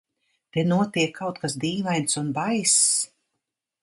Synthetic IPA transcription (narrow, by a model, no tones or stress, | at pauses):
t̪enuɔt̪iɛkʰːawt̪kasd̪iːvajnsunbajs